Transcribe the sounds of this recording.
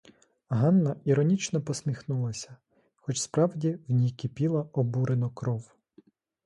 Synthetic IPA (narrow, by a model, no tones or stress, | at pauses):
ɦɑnːɐiɾɔnʲit͡ʃnɔpɔsmʲixnulˠɐsʲɐ̥ | xɔt͡ʃspɾɑwdʲiwnʲijkɪpʲilˠɐɔbuɾenɔkɾɔw